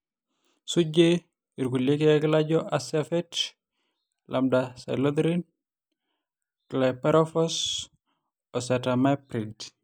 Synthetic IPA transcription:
suɟe | iɾɡuljekekilaɟɔʔasafɛt | lʔamdasa̰jlod̪ɾin | klapɛɾɔfɔs | ɔsatamapɾid

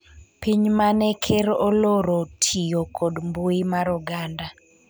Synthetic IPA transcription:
piɲmanɛkʰeɾoloɾotʰijokʰɔdmbuɪmaɾuɡanda

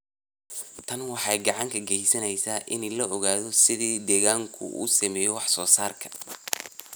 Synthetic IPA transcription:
t̪ʰɐnwɑħɑjɡɑʕɑŋkʰɐɡɛjsɐnɛjsaːʔɪnɛlɐɔɣaːðɔsɪðiːd̪ɛːɣaːŋkʰʊ̰ʔṵːsɐmɛːjɔwɑħsɔːsaːrkʰɐ̥

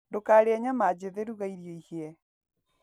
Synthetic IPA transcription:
ndokaːɾeaɲamad͡ʑeðeɾuɣaiɾjɔihiɛ

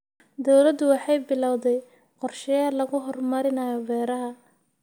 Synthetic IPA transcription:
d̪ɔwlɐd̪ʊwɑħɑjbɪlɐwðɛj | qɔrʃɛjalɐɣʊɦɔrmɐɾɪnɐjɔbɛːɾɐɦɐ

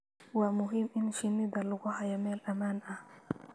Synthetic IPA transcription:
wamʊɦimʔinʃinːid̪aluɡɔhajamɛlʔamanʔa

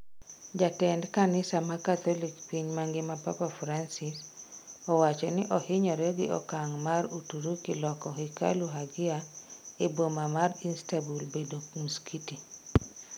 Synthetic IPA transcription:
d͡ʒatɛndkanɪsamakat̪ɔlikpiɲmaŋɡɪmapa̰pafɾansɪsɔwat͡ʃɔnɪʔɔhɪɲɔɾɛɡɪ̰ʔɔ̰kaŋmaɾutuɾukɪlɔkɔhika̰luɦaɡɪaebomamarinstabulbedomuskiti

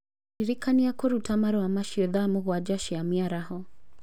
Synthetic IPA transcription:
iɾikaniakɔɾutʰamaɾɔwamaʃiɔðamuɣwad͡ʒaʃiamiaɾahɔ

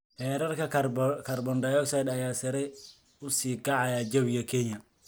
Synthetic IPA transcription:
hɛːɾɐrkʰɐkʰɐrbɔnd̪ɐjɔksɐjd̪ɐjaːsɐɾɛj | ʊsiːɡɑʕɑjaːd͡ʒɐwjɐkʰɛnjɐ

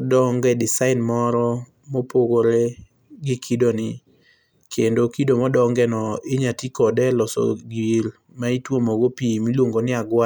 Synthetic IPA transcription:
dɔŋɡɛdɪsaɪnmɔɾɔ | mɔpoɡoɾe | ɡɪkʰidonɪ | kʰendokidomɔdɔŋɡɛnɔɪɲatikɔdɛlɔsɔ̰ɡiɾ | maitwomɔɡopimilwoŋɡonɪaɡwa

